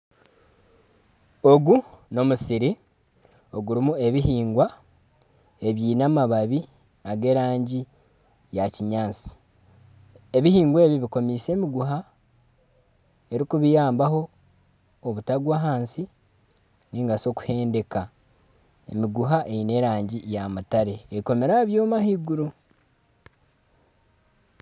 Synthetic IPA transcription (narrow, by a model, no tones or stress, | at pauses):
o̞ɡuno̞musiɾi | o̞ɡuɾimue̞βihiːŋɡwa | e̞βjiːnamaβaβi | aɡe̞ːɾaːɲɟi | jaciɲaːsi̥ | e̞βihiːŋɡwe̞ːβiβiko̞miːse̞ːmiɡuɦa | e̞ɾikuβijaːmbaho̞ː | βutaɡwaːɦaːnsi | niːŋɡaso̞ku̥he̞ːnde̞ka | emiɡuɦaʔeine̞ːɾaːɲɟijamutaɾe̞ːiko̞me̞ɾaβjoːmahiɡuɾu